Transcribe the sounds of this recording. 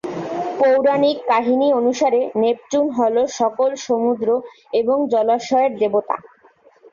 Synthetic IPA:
powɾanikːaɦinionuʃaɾenep̚t͡ɕunɦɔloʃɔkolʃomud̪ɾo | eboŋd͡ʑɔlaʃɔeɾd̪ebot̪a̰

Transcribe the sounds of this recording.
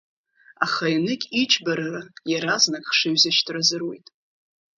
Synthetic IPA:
a̰χajnɨkʲʼit͡ʃʰʼbaɾarajaɾaznakʼχʂɨɥzaʃtʰrazɨrwejtʼ

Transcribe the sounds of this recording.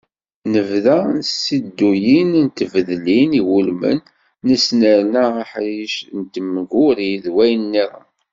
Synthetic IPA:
nəvðænsid̪ːujinnt̪əvəðlːiniwulmə̰nː | əsnəɾnæaħɾiʃnt̪əmːəɡʊɾiðwæjənːiðə̰

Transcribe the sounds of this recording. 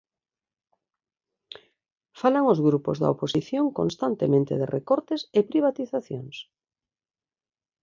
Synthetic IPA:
falaŋozɣɾupozða̰oposiθjoŋkõnst̪ant̪emẽnt̪eðerʔekɔɾt̪esepɾiβat̪iθaθjo̰ŋs

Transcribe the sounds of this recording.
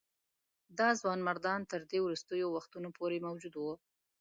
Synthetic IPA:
d̪ɑzwɑnmaɾd̪ɑnt̪əɾd̪ewɾust̪əjowaxt̪unopʰoɾemawd͡ʒud̪wə

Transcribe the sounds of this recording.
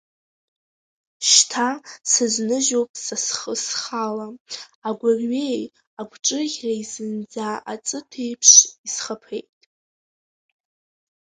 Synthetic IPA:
ʃtʰasɨznɨʒopʼsasχəsχalaaɡʷarɥe̞j | aɡʷʰʼʈ͡ʂʼɨʁʲraizɨnd͡zaʔat͡sʼɨtʰejpʰʂisχapʰe̞jtʼ

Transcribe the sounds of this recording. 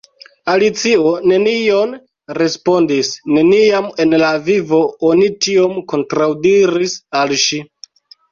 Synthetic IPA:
alit͡sio̞ne̞nio̞n | ɾe̞spo̞ndisne̞niame̞nlavivo̞onitio̞mko̞ntɾawdiɾisalʃi

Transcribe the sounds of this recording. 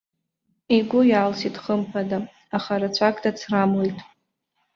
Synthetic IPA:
iɡʷʊjaːlsitχəmpʰada | aχaɾat͡sʷʰakʼdat͡sʰramlejtʼ

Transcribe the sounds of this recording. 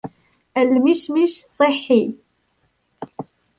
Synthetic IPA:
ʔəlmiʃmiʃsˤɨħːi

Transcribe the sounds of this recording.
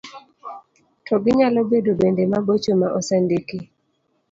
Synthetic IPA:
tʰɔɡɪɲalɔbedobɛndɛmabot͡ʃomaʔɔsɛndiki

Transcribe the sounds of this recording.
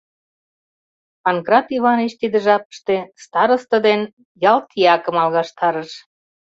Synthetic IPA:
ɑnkrɑt̪iβɑneʃt̪id̪ə̆ʒɑpə̥ʃt̪est̪ɑɾəst̪ə̆d̪en | jɑlt̪iɑkə̆mɑlɣɑʃt̪ʰɑɾəʃ

